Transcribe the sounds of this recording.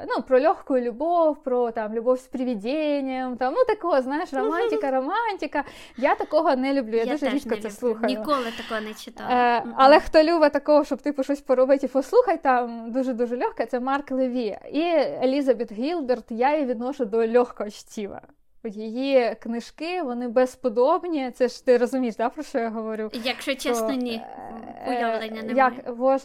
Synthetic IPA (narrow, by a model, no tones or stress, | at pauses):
nupɾɔlʲoxkʊjʊlʲʊbofʲpɾot̪amlʲʊbofʲspɾʲɪʋʲɪdʲenʲɪjɛmt̪amnut̪ɐkojɐznajɪʂrɐmanʲtʲɪkɐɾɐmanʲtʲɪkɐ | jat̪ɐkoɦɐnɛlʲʊblʲujad̪uʐɛɾʲit̪kɐɛslˠuxɐnʲjʊolˠɨt̪ɐkojnɛt͡ɕɪt̪aɐlˠɛxt̪olʲubɐt̪ɐkoʋɐʂt̪obt̪ɨpɾɪʂlosʲpɐɾʊbɪtʲɪfɔslˠuxɐjt̪amd̪uʒɛd̪uʒɛlʲɔxkɐt̪ɛmɑrklˠɪʋʲiɐ̰ielʲizɐbɛt̪ɦʲilˠbert̪jajiʋʲid̪nɔʃʊd̪ɔlʲɔxkɔɦɔt͡ʃtʲiʋɐ̰ | ɔd̪ʲjejiknɪʃkɪʋɔnɪbɛspɔd̪ɔbnʲit̪sɛʒt̪ɪɾɔzʊmʲijʒd̪apɾɔʃt͡ʃɔjaɦɔʋɔɾʲujɐkʃɔt͡ʃɔnʲi | lˠɛnjɐkʋɔs